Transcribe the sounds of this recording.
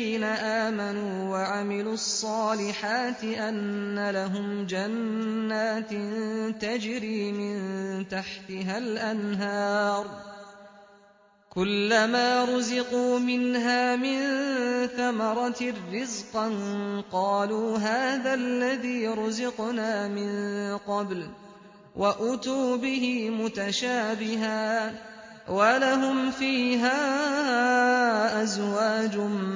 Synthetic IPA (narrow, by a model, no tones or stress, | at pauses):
iːnaʔaːmanuːwaʕamɪluːɑsˤːɑːlɪħaːt̪ɪʔanːalaɦʊmd͡ʒanːaːt̪t̪ad͡ʒɾiːmɪnt̪aħt̪ɪɦalʔanɦɑːɾˤ | kʊlːamaːɾˤʊzɪquːmɪnɦaːmɪnθamɑɾˤɑrːɪzqɑnqɑːluːɦaːðallːaðiːɾˤʊzʊqnaːmɪnqɑbl | wʔaʔʊt̪uːbɪɦɪmʊt̪aʃaːbɪɦaː | walaɦʊmfiːɦaː | ʔazwaːd͡ʒʊ